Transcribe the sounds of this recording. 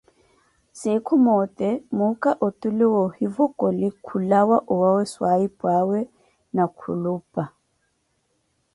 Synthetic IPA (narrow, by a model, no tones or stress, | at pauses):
sɪkʰʊmɔtʼɛmʊkʼaʔotʼulɪwɔhivɔkʼɔlɪkʰulawaʔʊwawɛswaipʼwawɛ | nakʰṵluːpʼa